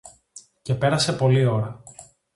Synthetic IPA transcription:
ce̞pe̞ɾɐse̞po̞lio̞ɾɐ

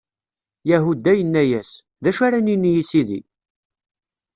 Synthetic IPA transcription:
jæɦud̪æjənːæjæs | ðæʃaɾaninːjisiðḭ

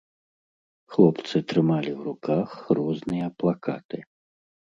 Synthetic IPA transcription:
xlˠɔpt̪sɨt̪ɾɨmalʲiwɾukaxrɔznɨjɐplˠaka̰t̪ɨ

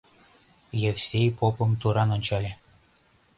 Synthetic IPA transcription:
jefsʲejpopɤ̆mt̪uɾɑnŏnʲt͡ɕɑlʲe

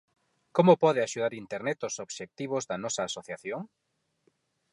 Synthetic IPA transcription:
komopɔðeaʃuðaɾint̪eɾnɛt̪osoβʃek̚t̪iβ̞ozðɐnɔsɐːsoθjaθjoŋ

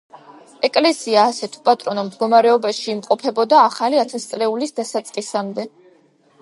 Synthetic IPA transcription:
ɛkʼlɛsiaːsɛt̪ʰu̥pʼat̪ʼɾɔnɔmd̪ɡɔmaɾɛɔbaʃiːmqʼɔpʰɛbɔd̪aːχaliat̪ʰɛst̪sʼlɛulisd̪asat̪sʼqʼisamd̪ɛ

